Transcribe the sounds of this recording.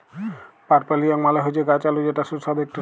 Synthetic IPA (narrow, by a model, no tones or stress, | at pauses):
paʈpaliaŋmalaɦod͡ʑeɡat͡ɕalud͡ʑeʈasusad̪ek̚ʈi